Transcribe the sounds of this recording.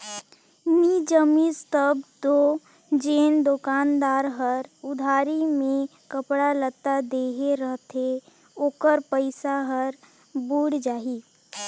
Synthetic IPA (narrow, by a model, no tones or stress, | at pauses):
nid͡ʒəmist̪əb̚t̪o | d͡ʒeːnd̪okaːnd̪aːɾɦəɾʊd̪ʱaːɾimẽkəpɽalət̪ad̪eːɦeɾəɦt̪ʰe | oːkəɾpəɪsaɦəɾ | buːɽd͡ʒaːɦiː